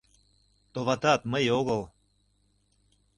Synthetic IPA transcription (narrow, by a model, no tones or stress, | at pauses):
t̪oβɑt̪ɑt̪məjoɣəlˠ